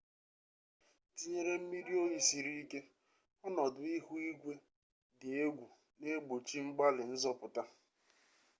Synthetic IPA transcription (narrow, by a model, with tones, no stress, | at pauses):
ti˨e˦ɾe˦m̩˦mi˦ɾi˦o˦ji˨si˨ɾi˦ke˦ | ɔ˦nɔ˨dʊ˨i˦ɦu˦i˦ɡʷe˦ | dɪ˨e˦ɡʷu˨ | ne˦ɡ͡bo˨t͡ʃi˦ŋ͡m̩˦ɡ͡ba˦lɪ˨n̩˦zɔ˦pʊ˨ta˦